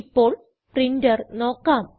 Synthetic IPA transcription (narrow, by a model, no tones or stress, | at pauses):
pːo̞ːɭ | prindɐrnoːkːaːm